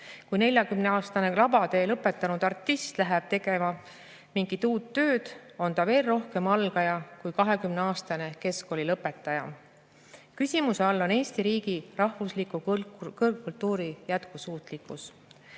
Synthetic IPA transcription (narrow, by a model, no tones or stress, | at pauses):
kujne̞lʲjɑkymneɑːst̪ɑne̞lɑbɑd̪e̞ːlɤpːˑe̞t̪ːˑɑnud̪̥ɑrt̪ːˑist̪læɦæb̥̚t̪e̞ɡ̥e̞mɑ | miŋɡit̪uːt̪ːø̞ːd̪̥o̞nt̪ɑve̞ːlro̞hke̞mɑlɡɑjɑkujkɑɦe̞kymneɑːst̪ɑne̞ke̞sko̞lʲilɤpːˑe̞t̪ːˑɑjɑ̰ | kysʲimuseɑlːo̞ne̞ːst̪iɾiːɡ̥irɑhvuslikˑukkult̪ːuːɾijæt̪kusuːt̪ˑlikːus